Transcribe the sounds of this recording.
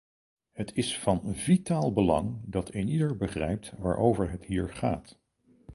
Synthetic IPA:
ɦətʰɪsfɑnvitaːlˠbəlɑ̰ŋdɑtʰejnidəɹbəχrɛ̰jp̚tʋa̰ːɹʔowvəɹɦətɦiːɹχa̰ːt

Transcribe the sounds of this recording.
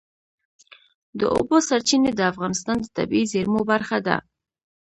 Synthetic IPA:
d̪ə̰ʔo̰bosaɾt͡ʃined̪əafɣɑnɪst̪ɑnd̪ət̪a̰bizeɾmobaɾxad̪a̰

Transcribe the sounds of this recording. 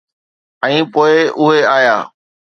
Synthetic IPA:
ɛ̃ːpoːɪʊɦeaːjaː

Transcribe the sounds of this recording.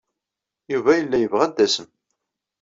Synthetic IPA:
juvæjəlːæjəvʁæd̪ːæsəm

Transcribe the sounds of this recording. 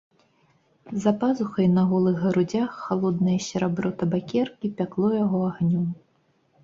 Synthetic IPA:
zɐpazuxɐjnɐɣɔlˠɨɣɣɐɾud͡zʲaxːalˠɔd̪nɨjɐsʲɐɾabɾɔt̪ɐbakʲɛrkʲipʲaklˠɔjaɣɔaɣnʲɔm

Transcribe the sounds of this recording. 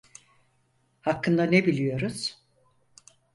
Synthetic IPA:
hakʰːɯnd̪anebilʲijo̞ɾuz̥

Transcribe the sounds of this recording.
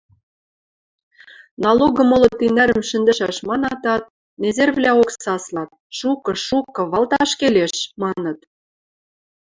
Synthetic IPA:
nɑloɣɤ̆mŏlɤ̆t̪inæɾə̆mʃɘ̆nd̪ɘ̆ʃæʃmɑnɑt̪ɑt̪̚ | nezerβvlʲæoksɑslɑt̪̚ʃukɤ̆ʃukɤ̆βɑlt̪ɑʃkeleʃmɑnɤ̆t̪

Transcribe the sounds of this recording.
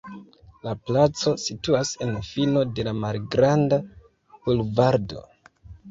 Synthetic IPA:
laplat͡so̞situase̞nfino̞de̞lamalɡɾanda | b̥ulvaɾdo̞̰

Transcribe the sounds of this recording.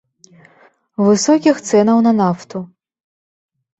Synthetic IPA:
vɨsɔkʲixt̪sɛnɐwnɐnaft̪u

